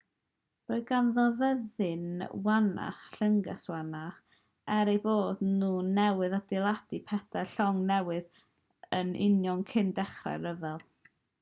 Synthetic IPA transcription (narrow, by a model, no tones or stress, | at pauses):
r̥oɨɡanðɔvəðɨnwana̰χɬəŋɡaswana | ɛɾejboːdnuːnɛwɨðad̥ɪlˠad̥ipʰɛdaɬɔŋnɛwɨð | ənʔɪ̰njɔŋkʰɪndɛχra̰jɾəvɛlˠ